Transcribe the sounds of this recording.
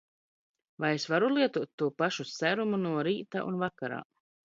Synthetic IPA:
vajesvaɾulˠiɛt̪uɔt̪ːuɔpaʃusæɾumunuɔɾiːt̪a̰ʔṵnvakaɾa̰ː

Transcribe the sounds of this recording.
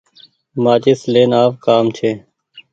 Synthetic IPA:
maːt͡ʃeːsleːnaːpkaːmt͡ʃʰeː

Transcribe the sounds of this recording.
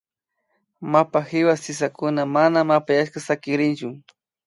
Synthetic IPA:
mapaxɪwasɪs̬akʊnamanamapajaʃkasakɪɾɪnt͡ʃʊ

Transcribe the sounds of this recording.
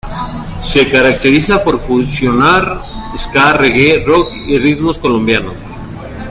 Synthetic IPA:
se̞kaɾak̚t̪eɾisapo̞ɾfunsjo̞naɾeskareɣerok | irit̪mosko̞lo̞mbjanos

